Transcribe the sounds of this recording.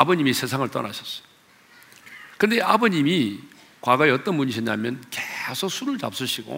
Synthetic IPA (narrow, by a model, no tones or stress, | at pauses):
abʌɲimisʰe̞sʰaŋɯɭt͈ʌ̰na̰ɕʰʌs͈ʌ̥ | kɯnde̞ʔabʌɲimi | kwaɡʌeʌt͈ʌnmuɲiɕʰʌɲamjʌnkesʰok̚sʰuɾɯɭt͡ɕa̰p̚s͈uɕʰiɡo̰